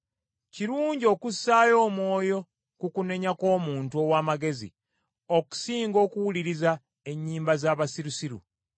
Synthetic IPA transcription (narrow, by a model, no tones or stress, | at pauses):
ciɾuːɲɟio̞ːkusaːjo̞ːmwo̞ːjo̞ | kukune̞ɲako̞ːmuːntuo̞waːmaɡe̞zḭ | oku̥siːŋɡo̞ːkuwuliɾiza | e̞ɲːiːmbazaːβasiɾusiɾṵ